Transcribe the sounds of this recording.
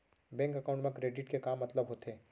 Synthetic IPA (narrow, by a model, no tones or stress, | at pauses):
bɛ̃ːŋkɐkaʊ̃ɳʈmẽkɾeːɖɪʈkekaːmːɐt̪ləbɦoːt̪eː